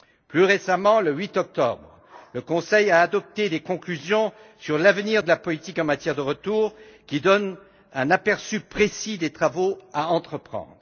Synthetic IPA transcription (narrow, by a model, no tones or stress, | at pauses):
plyʁesamɑ̃ləɥit̪ɔk̚t̪ɔ̰bʁ | ləkɔ̃sɛjaːd̪ɔp̚t̪ed̪ekɔ̃klyzjɔ̃ | syʁlavniʁd̪əlapɔlit̪ikɑ̃mat̪jɛʁd̪əʁət̪uːʁkʲid̪ɔn | ɛ̃napɛʁsypχesid̪et̪χavoaɑ̃t̪χəpχɑ̰̃d̪ʁ